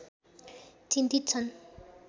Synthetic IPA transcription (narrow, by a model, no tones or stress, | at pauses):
t͡sʰind̪ʱit̪̚t͡sʰʌn